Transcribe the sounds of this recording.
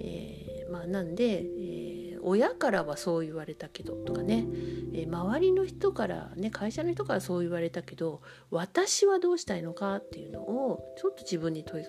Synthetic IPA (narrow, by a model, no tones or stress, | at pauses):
ḛː | maːnãnd̪e̞ḛːo̞jakaɾaβaso̞ːiβaɾe̞t̪ake̞d̪̥o̞t̪o̞̥kane̞eːmaβaɾʲino̞çi̥t̪o̞kaɾa̰ne̞kʰaiɕanoçi̥t̪o̞kaɾaso̞ːiβaɾe̞t̪ake̞d̪o̞ | βat̪aɕiβad̪o̞ːɕi̥t̪aino̞kat̪ːe̞jɯ̟no̞̰ʔot͡ɕo̞t̪ːo̞ʑibɯ̟̃ɲ̟ːit̪o̞i